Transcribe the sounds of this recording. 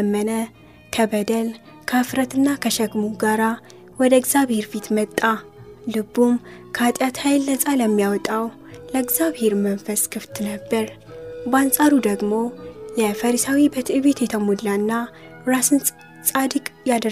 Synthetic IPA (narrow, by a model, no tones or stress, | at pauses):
mːənə | kʰəbəd̪əl | kʰəfɾət̪ɨnːakʰəʃəɡmuɡaɾa | wɔd̪əɡzaβhe̞ɾfit̪mət̪ʼːalɨbːumkʰat̪ʼjat̪hajlːəsʼaləmːijawɔt̪ʼaw | ləɨɡzaβhe̞ɾmənfəskʰɨft̪nəbːəɾ | bansʼaɾud̪əɡmo̞jɛfəɾisawibət̪ʰɨʔɨβet̪jɛt̪ʰəmulːanːa | ɾasɨn | sʼad̪ɨkʼjad̪ə